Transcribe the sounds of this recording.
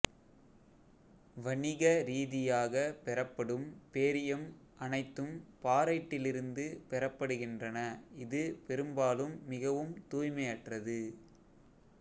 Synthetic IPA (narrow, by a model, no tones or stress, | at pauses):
ʋɐɳɪɣɐɾiːðɪjaːɣɐpɛɾɐpːɐɽɯmpeːɾɪjɐm | ʔɐnɐɪt̪ːɯmpaːɾɐɪʈːɪlɪɾɯnd̪ɯpɛɾɐpːɐɽɯɣɪndrɐnɐɪðɯpɛɾɯmbaːlɯmːɪɣɐʋɯmt̪uːjmɐjɐʈrɐðɯ